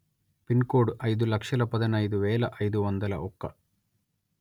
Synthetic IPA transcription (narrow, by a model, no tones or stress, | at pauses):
pinkoːɖɐjd̪ulɐkʂɐlɐpɐd̪ɐnɐjd̪uʋɛːlɐʔɐjd̪uʋɐnd̪ɐlɐ̰ʔɔkːɐ̰